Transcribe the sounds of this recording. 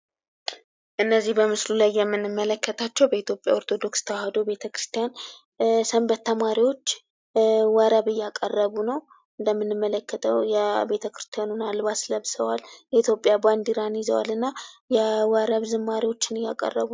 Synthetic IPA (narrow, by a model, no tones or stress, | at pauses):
ʔɨnːəzːihbəmɨslulajːɛmːɨnːɨmːələkːət̪ʰat͡ʃːɛwbəit̪ʰjo̞pʼja̰o̞ɾt̪ʰo̞d̪o̞kst̪ʰəwahad̪o̞be̞t̪ʰəkɾɨ̥st̪ʰijan | səmbət̪ːəmaɾiwo̞t͡ʃː | waɾəβɨjːakʼərːəβunəw | ʔɨnd̪əmːɨnːɨmːələkːət̪ʰəwjɛbe̞t̪ʰəkɾɨ̥st̪ʰijanunalbasləβsəwaljɛit̪ʰjo̞pʼjaband̪iɾanjɪzəwa̰lɨnːajɛwəɾəβzɨmːaɾiwo̞t͡ʃːɪnɨjːa̰kʼə̰rːə̰βu